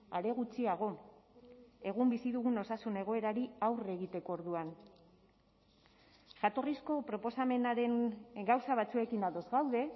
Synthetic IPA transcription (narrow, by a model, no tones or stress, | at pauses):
aɾe̞ɣ̞ut͡siaɣ̞o̞ | e̞ɣumbisiðuɣuno̞sasune̞ɣ̞o̞e̞ɾaɾiawre̞ɣit̪e̞ko̞ːɾðuan | ʝat̪o̞risko̞pɾo̞po̞same̞naɾe̞ŋɡawsaβat͡sue̞kinaðo̞zɣawðe̞